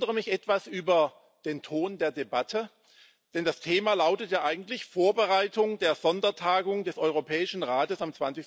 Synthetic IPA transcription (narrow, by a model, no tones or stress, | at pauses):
dəʁəmɪçʔɛtv̥asʔyːbɐ | d̥eːntʰoːndeːɐdebatʰə | d̥ɛndastʰeːmaːlaʊtətjaːʔaɪɡŋ̩tlɪçfoːɐbəʁaɪtʊŋdeːɐzɔndɐtʰaːɡʊŋdɛsʔɔʏʁopʰɛːɪʃn̩ʁaːtəsamt͡sv̥ansɪçs